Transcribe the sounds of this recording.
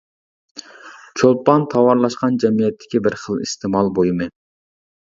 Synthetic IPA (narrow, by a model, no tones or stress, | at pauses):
t͡ʃʰolˠpɑnt̪ʰɑwɑɾlˠɑʃqɑnd͡ʒɛmijɛt̪ʰːɪ̥kʲibɪɾχəlˠist̪ʰemɑlˠbojmɛn